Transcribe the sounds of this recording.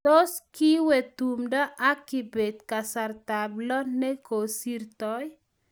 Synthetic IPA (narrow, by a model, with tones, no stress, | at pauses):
to˦ski˦wɛ˨t̪u˨mdɔ˦ʔa˦kɪ˨be˨d̪̚ka˨sa˨rt̪a˨blɔ˦nɛ˦ko˨si˦rt̪ɔ˦j